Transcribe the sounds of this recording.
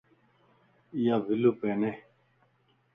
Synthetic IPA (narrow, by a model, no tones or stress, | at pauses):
javʱilupeːne